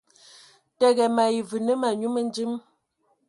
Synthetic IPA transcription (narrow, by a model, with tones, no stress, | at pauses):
tɛ˦˨ɣɛ˨ma˨ji˨vʉ˨nə˦ma˨ɲu˦mə˦n˦d͡ʒi˦m